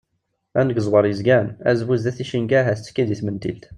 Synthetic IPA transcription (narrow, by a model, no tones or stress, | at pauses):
ænəɡəzˤwəɾˤjəzɡænæ̰zwuzd̪æθiʃinɡæɦæθt͡sːə̥kːiðiθmənt̪ḭlt̪